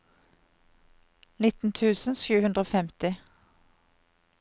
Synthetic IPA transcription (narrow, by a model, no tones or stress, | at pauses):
nɪt̪n̩t̪ʰʉːsn̩ʃʉːhʉnd̪ʁəoːfɛmt̪ɪ